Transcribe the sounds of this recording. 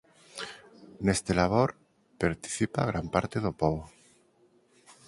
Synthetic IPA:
nest̪elaβoɾ | paɾt̪i̥θipaɣ̞ɾampaɾt̪eðopoβ

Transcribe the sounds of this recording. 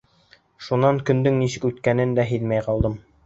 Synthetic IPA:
ʃunɑŋkɵ̆nd̪ɵŋnisʃɘ̆kʉt̪kænɘnd̪æɦɘðmæjqɑlˠd̪ɤm

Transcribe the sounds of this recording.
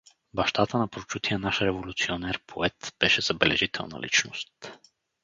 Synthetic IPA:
bɐʃt̪at̪ənɐpɾot͡ʃut̪ijɛnaʃɾɛvolʲut̪sionɛɾpʰoɛt̪b̥ɛʃɛz̥ɐbɛlɛ̰ʒit̪ʰɛ̰lˠnɐ̰lḭt͡ʃno̰st̪

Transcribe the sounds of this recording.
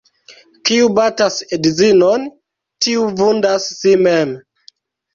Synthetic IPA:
kiubatasedizinon | tiuvundasːimem

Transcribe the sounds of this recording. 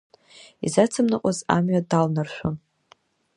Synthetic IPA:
izat͡sʰɨmnakʷʼaza̰mɥadalnarʃʷᶣon

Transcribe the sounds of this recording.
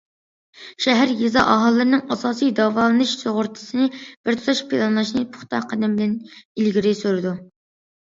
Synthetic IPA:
ʃɛɦæɾjizɑ̰ʔɑɦɑlˠːɨɾɨnɨŋɑsɑːsijd̪ɑːvɑːlˠɨnɨʃsoʁʊɾt̪ʰɨ̥sɨnɪb̥ɪɾt̪ʰu̥t̪ʰɑʃpʰilˠɑnlˠɑʃnɨpʰʊ̥χt̪ʰɑ̰qʰɑd̪ɪmbɪlɛnilɡʲiɾɪsøɾɪd̪u

